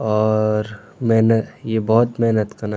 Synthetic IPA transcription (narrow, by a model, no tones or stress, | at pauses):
ɔːɾ | meɦnəjebɔɦʊt̪meɦnət̪kɐna